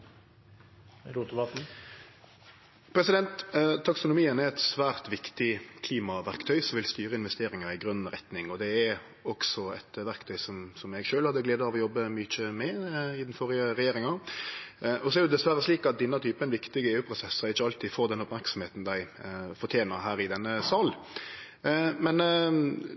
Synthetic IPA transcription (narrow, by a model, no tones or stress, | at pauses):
lut̪bɑt̪n̩ | pʰɾɛsɪd̪ɛnt̪t̪ʰːɑksʊnʊmiːənæɾɛt̪sʋæːʁt̪ʋɪkt̪ɪkʰliːmɑʋæʁkt̪ʰœʏsɔmʋɪlst̪yːɾəɪnʋɛst̪eːɾɪŋɑɪɡɾœnn̩əɾɛt̪nɪŋɔd̪ɛæɾ | ɔksɔɛ̰t̪ʋæɾkt̪ʰœʏsɔmsɔmɛɡʃøːlhɑd̪ːəɡleːd̪əɑʋɔjɔbːəmyːçəmɛɪd̪ɛnfɔɾɪəɾɛjeːɾɪŋɑ | ʔɔsɔɛɾjʊd̪ɛsʋæɾəsliːkɑt̪̚d̪ɪnːɑt̪ʰyːpəɛnʋɪkt̪ɪɡəeːʉːpʰɾʊsɛsːəɾɪçːəɑlt̪iːfoːɾd̪ɛnʊpmæɾksɔm̩heːt̪n̩d̪æɪfɔt̪ʰjeːnəɾɦæːɾɪd̪ɛnːəsɑːl | mɛn